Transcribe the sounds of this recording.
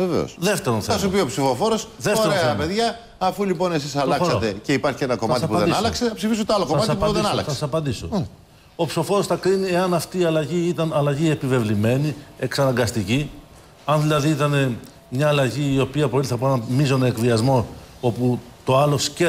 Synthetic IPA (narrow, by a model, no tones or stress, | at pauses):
vevḛo̰sðeft̪eɾo̞nθeɐsupiopsifo̞fo̞ɾo̞sðefoeɾoeeɐpe̞ðʝɐː | fulipo̞ne̞sisɐlɐksɐot̪e̞ce̞ipɐɾçienɐko̞mɐt̪sɐipuðɐðed̪insɐlɐkseɐpsifis̬ut̪oɐlokoɐɐt̪ɐipɐoðeɐlɐkθsɐsssɐpɐnd̪iso̰ | opsi̥fo̞fo̞ɾo̞sθɐkɾinie̞ɐnɐft̪iːɐlɐʝiit̪ɐnɐlɐʝie̞pive̞vlime̞nie̞ksɐnɐŋɡɐst̪ici | ɐnðilɐðiit̪ɐne̞ | mɲɐːlɐʝiːo̞piɐpo̞liθɐpnɐmizo̞neekviɐzmo̞o̞put̪oɐlo̞sce